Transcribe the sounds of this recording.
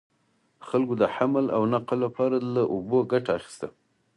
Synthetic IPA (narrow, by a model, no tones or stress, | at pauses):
xalɡod̪əħamla̰wnaqlapɑɾalaʔoboɡaʈaːxi̥st̪a